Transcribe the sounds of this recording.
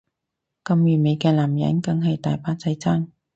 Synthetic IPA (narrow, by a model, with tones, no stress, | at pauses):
kɐ˧mjyː˨˩me˨˧jkɛː˧laː˨˩mjɐ̰˨˥nkɐ˧ŋɦɐ˨jt̪aː˨jpaː˧˥t͡sɐ˧jt͡saː˥ŋ